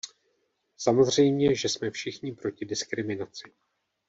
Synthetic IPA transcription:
samo̞zr̝ɛjmɲɛʒɛsmɛfʃɪxɲɪpɾo̞cɪdɪskɾɪmɪnat͡sɪ̥

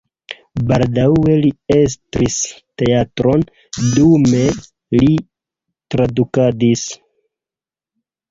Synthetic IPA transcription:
baldawe̞lie̞s̬tɾiste̞atɾo̞n | dume̞ | li | tɾadukadis

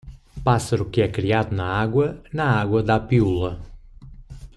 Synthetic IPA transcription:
pasɐɾukiɛkɾiaðunɐaɣwɐnɐaɣwɐd̪apiulɐ

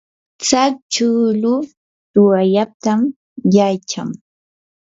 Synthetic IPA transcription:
t͡sakt͡ʃulʊ | t̪ʊajap̚t̪am | jajt͡ʃa̰ŋ

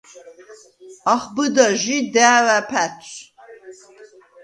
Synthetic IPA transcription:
ɑχbɨd̪aʒid̪æːwæpʰæt͡sʰʼ

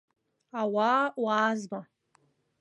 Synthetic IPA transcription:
awawaːzma

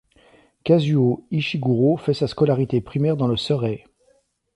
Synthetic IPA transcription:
kazyoiʃiɡuʁofɛsaskɔlaʁit̪epχimɛʁd̪ɑ̃ləsœʁɛ

